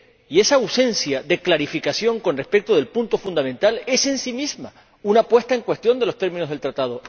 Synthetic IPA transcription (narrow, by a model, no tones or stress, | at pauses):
ie̞sawse̞nsjaðe̞klaɾifikasjo̞ŋko̞nre̞spek̚t̪oð̞e̞lpunt̪ofund̪amẽnt̪ale̞se̞nsimizma | unapwe̞st̪aeŋkwe̞st̪jo̞nd̪e̞lo̞st̪eɾmino̞ɦðelt̪ɾat̪að̞o